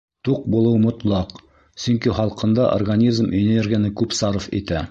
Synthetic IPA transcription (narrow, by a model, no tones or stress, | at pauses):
t̪uq̚bulˠɤwmŏt̪lˠɑq | sɵŋkiχɑlˠqɤ̆nd̪ɑʔo̰rɡanʲizmʔeneɾɡʲanɘkʉpsɑɾɤfḭt̪æ